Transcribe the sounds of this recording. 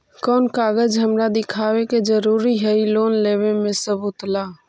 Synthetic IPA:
kɔːnkaːɡəd͡ʒɦəmɾad̪ɪkʰaːweked͡ʒəɾuːɾiɦɛiloːnleːwemẽsəbʊt̪laː

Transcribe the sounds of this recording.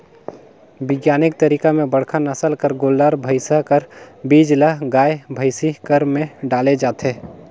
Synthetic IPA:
bɪɡjaːnɪk̚t̪əɾiːkamẽbəɽkʰanəsəlkəɾɡoːlːaɾbʱəɪsakəɾbiːd͡ʒləɦɡaːjbʱəɪsikəɾmẽɖaːled͡ʒaːt̪eː

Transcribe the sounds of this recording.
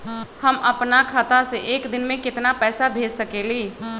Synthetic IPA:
həmɐpnakʰaːt̪aseʔeːkd̪ɪnmẽkɪt̪napɛːsabʱeːd͡ʒsəkeːliː

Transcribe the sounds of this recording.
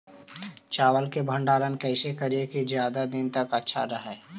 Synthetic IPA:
t͡ʃaːwəlkebʱə̃ɳɖaːlənkɛːsekəɾijekizjaːd̪ad̪ɪnt̪ɐkətːʃʰa̰ɾəɦɛː

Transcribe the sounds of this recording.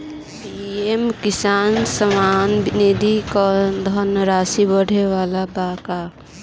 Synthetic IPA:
piemkisaːnsəmaːnbned̪ikɔd̪ʱənɾaːsibəɽ̤eʋalabaka

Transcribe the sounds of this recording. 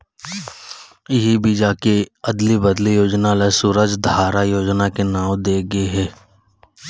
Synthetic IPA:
ɪɦibid͡ʒakeɐd̪libəd̪lijoːd͡ʒnalasuːɾəd͡ʒd̪ʱaːɾajoːd͡ʒnakenaːwd̪eːɡəeɦɛː

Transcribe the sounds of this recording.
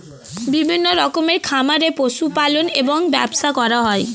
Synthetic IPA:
bibʱinːoɾɔkomeɾkʰamaɾeposupaloneboŋbɛ̰bsakɔɾaɦɔe

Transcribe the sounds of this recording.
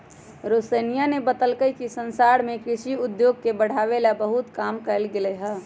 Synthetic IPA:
ɾoːsənijanebət̪əlkəjkisə̃nsaːɽmẽkɾɪʃiʊd̪joːɡ̚kebəɽ̤aːʋelabəɦʊt̪kaːmkəɾlɡɪleɦɛː

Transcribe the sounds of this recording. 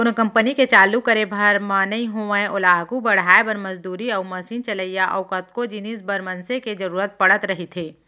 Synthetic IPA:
ʊnkɐ̃mpəniket͡ʃaːlukəɾebʱɐɾmãːnɐĩɦoə̃ʔʊlaːɡubɐɽ̤aːebɐɾmɐzd̪uːɾiɐʊmɐsint͡ʃɐləijaʔɐ̰ʊkɐt̪̚kod͡ʒinisbɐɾmɐnseked͡ʒɐɾuːɾət̪̚pɐɽ̤ət̪ɾɐɦit̪ʰeː

